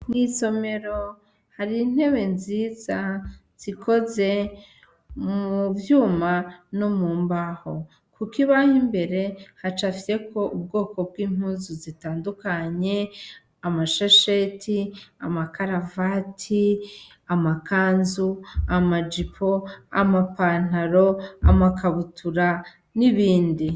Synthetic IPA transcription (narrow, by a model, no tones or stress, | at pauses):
n̥iso̞me̞ɾo | haɾin̥he̞we̞nziːza | z̥ikʰo̞ze̞ | muvjuːmanomuːmbaho̞ | kʰukiβahimbe̞ɾe̞hat͡ʃafiɾe̞ko̞ʔub̚ɡo̞ːko̞b̚ɡiːm̥huːzuzitaːndukaɲe̞ | amaʃaʃetʰiamakaɾavatʰi | amakaːnzuamad͡ʒipʰo̞amapaːn̥aɾo̞amakaβutʰuɾa | niβiːndi